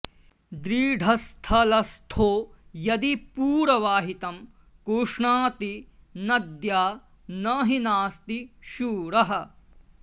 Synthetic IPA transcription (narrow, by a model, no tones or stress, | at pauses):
d̪ɾiːɖʱɐst̪ʰɐlɐst̪ʰoːjɐd̪ipuːɾɐʋaːɦit̪ɐm | koːʂɳaːt̪i | nɐd̪jaː | nɐɦinaːst̪iʃuːɾɐɦɐ̆